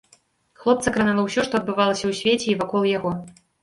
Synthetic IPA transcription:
xlˠɔp̚t̪sɐkɾanalˠɐwsʲɔʂt̪ɔɐd̪̚bɨvalˠɐsʲɐwsʲvʲet͡sʲɛivakɔlˠjaɣɔ

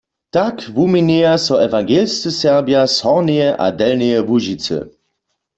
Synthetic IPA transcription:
takʋumineasɔɛvaŋɡeːlst͡səsɛʁbjashɔʁnejɛʔa̰dɛlnejɛvuʒit͡sə̰

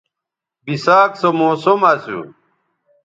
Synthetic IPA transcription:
bisaːksomoːsomasṵ

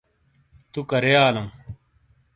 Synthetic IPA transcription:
t̪ukɐɾejaːlɐm

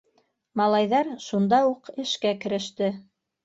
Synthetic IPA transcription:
mɑlˠɑjðɑɾʃund̪ɑuqɘ̆ʃkækɘ̆ɾɘ̆ʃt̪ɘ

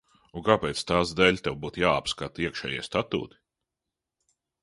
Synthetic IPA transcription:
ũkapeːt̪st̪aːsd̪ɛlʲt̪ɛwbuːt̪jaːapskat̪iɛkʃɛ̰ːjiɛst̪at̪ṵːt̪i̥

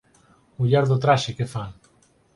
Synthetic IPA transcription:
uʎaɾðot̪ɾaʃekefaŋ

